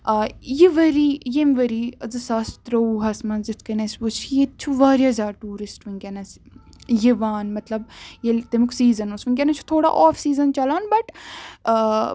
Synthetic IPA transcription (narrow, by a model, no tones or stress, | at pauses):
jiʋɐɾiːjemʋɐɾiɐzɨsɐst̪ɾɐuɦɐsmɐnzɪt̪ʰkɐnesbut͡ʃʰjet̪t͡ʃʰuʋaːɾjazʲaːʈuːɾɪsʈʋiŋkʲɐnɐsjiʋaːnmɐt̪lɐb̚jelt̪emuksiːzɐnosʋiŋɡʲkʲenɐt͡ʃʰu̥t̪ʰoːɽa̰ʔɔːfsiːzɐnt͡ʃɐlaːnbɐʈː